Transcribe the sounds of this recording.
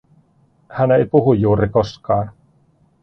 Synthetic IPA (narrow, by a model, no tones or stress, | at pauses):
hænejpuɦujːuːɾikoskɑːn